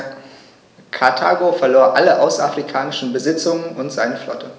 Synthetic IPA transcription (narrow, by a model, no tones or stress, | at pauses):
kʰaɐtʰaːɡofɛɐloːɐʔaləʔaʊsafʁ̥ikʰaːnɪʃn̩bəzɪt͡sʊŋənʔʊntz̥aɪnəflɔ̰tʰə